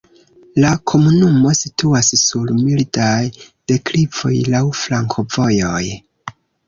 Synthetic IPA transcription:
lakʰo̞munumo̞situassuɾmildaj | d̥e̞klivo̞̰jlawflaŋkʰo̞vo̞jo̞j

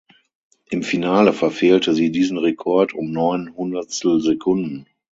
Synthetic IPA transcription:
ʔɪmfinaːləfɛɐfeːltʰəziːdiːzn̩ʁekʰɔɐtʊmnɔʏnhʊndɐst̩zekʰʊndn̩

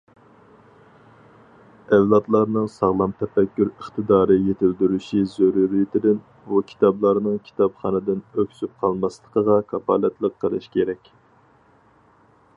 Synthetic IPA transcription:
ɛvlˠɑt̪lˠɑɾnɨŋsɑʁlˠɑmt̪ʰɛpɛkʲːyɾəχt̪ɨd̪ɑːɾɨjet̪ʰɪld̪yɾyʃizoɾuɾijit̪ʰɪd̪ɪn | bukʲʰi̥t̪ʰɑblˠɑɾnɨŋkʲʰi̥t̪ɑpχɑnɨd̪ɪnøkʲʰsyp̚qʰɑlˠmɑslˠəqʰəʁɑkʰɑpʰɑ̰lɛt̪lˠəqqʰːəlˠɨ̰ʃkʲʰeɾɛkʲ

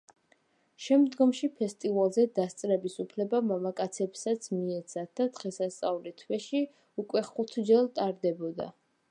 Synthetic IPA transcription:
ʃɛmd̪ɡɔmʃipʰɛst̪ʼivalˠzɛd̪ast̪sʼɾɛbisupʰlɛbamamakʼat̪sʰɛbsat̪sʰmiɛt̪sʰat̪̚d̪ad̪̥ʁɛsast̪sʼavulit̪ʰwɛʃi | ukʼwɛχut̪ʰd͡ʒɛlˠt̪ʼaɾd̪ɛbɔd̪a̰

